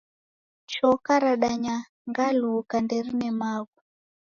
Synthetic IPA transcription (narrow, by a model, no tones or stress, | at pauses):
t͡ʃɔkaɾaɗaɲa | ŋɡalukandɛɾinɛmaɡu